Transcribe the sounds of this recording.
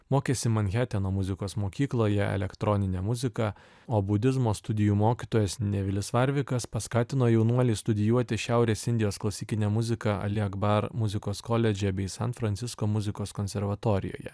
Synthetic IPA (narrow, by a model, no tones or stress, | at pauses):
moːkʲeːsʲɪmɐnʲxʲæːt̪ʲɛnoːmʊzʲɪkoːsmoːkʲiːklˠoːjɛɛ̰lʲɛkt̪ɾɔnʲɪnʲɛmʊzʲɪkɐ | oːbʊd̪ʲɪzmoːst̪ʊd̪ʲɪjuːmoːkʲit̪oːjɛsnʲɛʋʲɪlʲɪsʋɐɾʲʋʲɪkɐspɐskɑːt̪ʲɪnoːjɛʊnuɔlʲiːst̪ʊd̪ʲɪjuɔt̪ʲɪʃʲæˑʊɾʲeːsɪnʲd̪ʲɪjoːsklˠɐsʲiːkʲɪnʲɛmʊzʲɪkɐɐ̰lʲɪɐɡbɐɾmʊzʲɪkoːskɔlʲɛd͡ʒʲɛbʲɛɪsɐnt̪fɾɐnʲt̪sʲɪskoːmʊzʲɪkoːskonʲsʲɛɾʋɐt̪oːɾʲɪ̰jo̰ːjɛ̰